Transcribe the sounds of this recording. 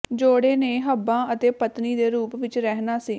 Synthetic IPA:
d͡ʒoːɽeːneːɦəbãːʔət̪eːpət̪niːd̪eːɾuːpʋɪt͡ʃɾɛɦnaːsiː

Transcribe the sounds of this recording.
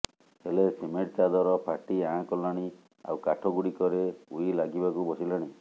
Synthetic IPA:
helesemeʈt͡ʃad̪ɔɾɔpʰaʈiãkɔlaɽ̃i | a̰wkaʈʰɔɡuɽikɔɾeujlaɡibakubɔsilaɽ̃i

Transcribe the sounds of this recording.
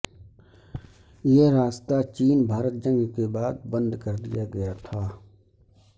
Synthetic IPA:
jeɾaːst̪at͡ʃiːnbʱaːɾət̪̚d͡ʒə̃ŋɡkebaːd̪̚bə̃nd̪kəɾd̪ɪjaɡɐjat̪ʰaː

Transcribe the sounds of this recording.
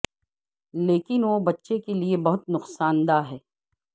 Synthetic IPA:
leːkɪnʋoːbɐtːʃekeliebɐɦʊt̪nʊqsaːnd̪aɦɛː

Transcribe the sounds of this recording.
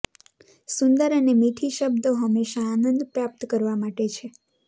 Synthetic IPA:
sʊnd̪əɾənemiʈʰiʃəb̚d̪oɦəmːeʃaːnə̃nd̪pɾap̚t̪kəɾʋamaʈet͡ʃʰe

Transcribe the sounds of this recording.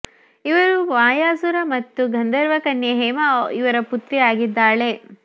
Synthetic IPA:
iʋɐɾuʋaːjaːsuɾɐmɐt̪ːuɡʱɐnd̪ɐɾʋɐkɐnjɐɦɛːmɐiʋɐɾɐput̪ɾiaːɡid̪ːaːɭe̞

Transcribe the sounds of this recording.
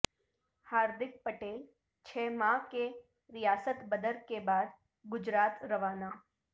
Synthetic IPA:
haːɾd̪ɪk̚pəʈel | t͡ʃʰɛmake | ɾijaːsət̪bəd̪əɾkebaːd̪ | ɡʊd͡ʒɾat̪ɾəʋaːnaː

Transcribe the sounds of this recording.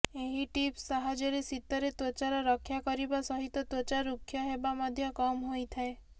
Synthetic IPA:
eɦiʈipssaɦad͡ʒɔɾesit̪ːɔɾet̪ot͡ʃaɾɔɾɔkʰːjakɔɾibasɔɦit̪ɔt̪ot͡ʃaɾukʰːjɔɦebamɔd̪ʱjɔkɔmɦojt̪ʰae

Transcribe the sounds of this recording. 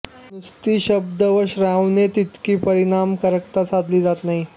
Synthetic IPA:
nust̪iːɕəb̚d̪əʋəɕɾawnet̪it̪kiːpəɾinamkəɾək̚t̪asad̪liːd͡zat̪naɦi

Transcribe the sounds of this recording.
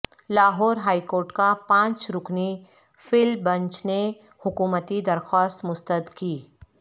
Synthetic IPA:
laːɦɔːɾɦaːikoːɾʈkapãːt͡ʃɾʊkni | fɪlbɐ̃ɲt͡ʃne | hʊkuːmət̪id̪ɐɾxaːst̪mʊst̪əd̪kiː

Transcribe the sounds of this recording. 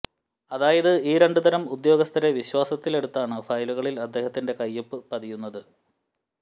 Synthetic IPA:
ɐðaːjɐðɨiːɾe̞ɳɖud̪ɐɾɐmud̪jo̞ːɡɐst̪ʰɐɾe̞ʋiɕwaːsɐt̪ːile̞ɽut̪ːaːɳɨfɐjluɣɐɭilɐd̪ːe̞ːhɐt̪ːinde̞kɐjːɐpːɨpɐðijunːɐðɨ

